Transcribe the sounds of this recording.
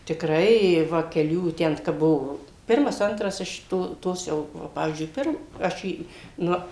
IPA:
tʲɪkˈrɐɪ ɪ ˈʋɐ kʲɛˈlʲuː ˈtʲɛn kɐp ˈbʊʋoː ˈpʲɪrmɐs ˈɐntrɐs ɪʃ ˈtoː ˈtoːs jɛʊ ʋɐ ˈpɑːʋʲiːzʲd͡ʒʲʊɪ ˈpʲɪr ˈɐʃ ˈiː ˈnʊ

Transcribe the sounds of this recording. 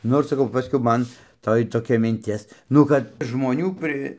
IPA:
ˈnoːr sɐˈkɐʊ ˈpɑːsʲkʲɛʊ ˈmɐn ˈtoːj toːˈkʲɛ mʲɪnʲˈtʲɪs ˈnʊ kɐt ʒmoːˈnʲuː pʲrʲɪ

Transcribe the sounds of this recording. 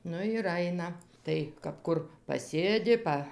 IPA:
ˈnʊ ɪr ˈɐɪnɐ ˈtɐɪ kɐp ˈkʊr pɐˈsʲeːdʲɪ ˈpɐ

